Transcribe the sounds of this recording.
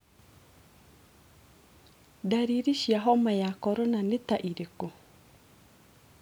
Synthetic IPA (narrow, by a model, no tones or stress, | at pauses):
daɾiɾiʃjaɦɔmajakɔɾɔnanɪt̪aʔiɾeko